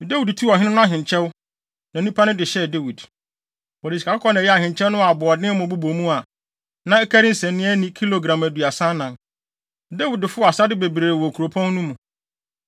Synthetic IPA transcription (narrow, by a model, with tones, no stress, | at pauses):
de˦wi˨dtʰu˦ɔ˨ɦɪ˦nɪ̃˦nʊ̃˦a˦˨ɦɪ̃˨ɲt͡ɕʰɛ˦wʊ˦ | nã˨˦ũ˦pʰa˦nʊ̃˦dɪ˨ɕɛ˦˨de˦wi˨d | ɔ˨ɾi˨si̥˨a˨kʊ˦kʰɔ˦nã˨jɛ˦a˨hɪ̃˨ɲt͡ɕʰɛ˦nʊ̃˦a˨bʊ˨ɔ˨dɪ̃˦mʊ̃˨bu˦bo˨mũ˦a˨ | nã˦ɛ˦kʰæ˦ɾɪ˦n̩˦sɛ̃˨nnːɪ̃˦ɛ˦nĩ˦kʰi˦lo˨ɡɾã˨mæ˨du˨a˨sã˦nã˨n | de˦wi˨dɪ˨fʊ˦˨a˨sa˦dɪ˦be˨bɾeː˨wɔ˨kʰu˨ɾo˨pʰɔ̃˦n˦nũ˦mũ˨